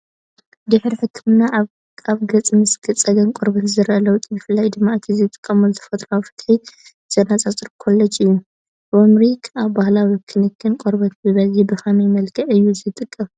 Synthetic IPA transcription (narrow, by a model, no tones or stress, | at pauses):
d̪ɨħɾiħɨkʰːɨmna | aβɡɐt͡sʼmɨsɡɨt͡sʼɐɡɐnkʼoɾbɐt̪zɨɾɐlɐwt̪ʼjɨfɨlːajd̪ɨmːaɨt̪ʰizɨt̪ʼɨ̥kʼːɐmozɨfɐt̪ʼɾawfɨ̥t̪ħi | z̥ʼɐnat͡sʼat͡sʼɨɾkʰolːɐt͡ʃʼɨjːu | bomɾikʰaβbahlawikʰɨnɨkʰːɨnkʼoɾbɐt̪bɨβɐlibɨxɐmajmɐlkʰɐʔɨjːuzɨt̪ʼɨkʼːɐm